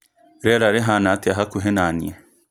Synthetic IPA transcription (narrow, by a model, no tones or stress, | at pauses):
ɾɛɾaɾeɦanat̪ɪaɦakuɦenaːnḭɛ